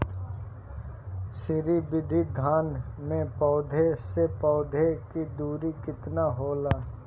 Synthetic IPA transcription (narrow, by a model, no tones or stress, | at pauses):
sɪɾibɪd̪ʱid̪ʱaːnmẽpɔːd̪ʱesepɔːd̪ʱekid̪uːɾikɪt̪naɦoːlaː